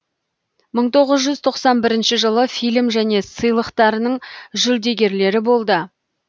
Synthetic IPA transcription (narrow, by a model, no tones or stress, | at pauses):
məɴt̪ʰo̞ʁəzʒʏzt̪ʰo̞qsɑnbɪɾɪnʃɪʒəlˠəfilmʒæne̞səjlˠəqt̪ɑɾənəɴʒʏld̪e̞ɡʲe̞ɾle̞ɾɪbo̞lˠd̪ə